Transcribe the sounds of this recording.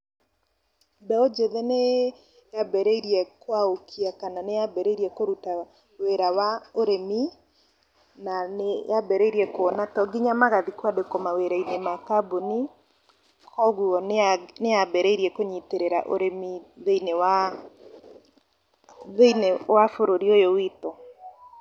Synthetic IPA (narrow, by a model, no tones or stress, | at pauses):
bɛod͡ʒeðɛne | jabɛɾeiɾiɛkwaokʰiakananejabɛɾeiɾiɛkoɾuta | weɾawaoɾemi | nanejabɛɾeiɾiɛkwɔnatɔɡiɲamaɣaðikwadekomaweɾainemakaboni | kɔɣuɔnnejabɛɾeiɾiɛkoɲiteɾeɾaʔo̰ɾemiðeinewa | ðeinewafoɾoɾiojowitɔ